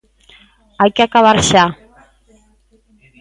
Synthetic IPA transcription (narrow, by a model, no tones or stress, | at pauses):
ajkeakaβaɾʃa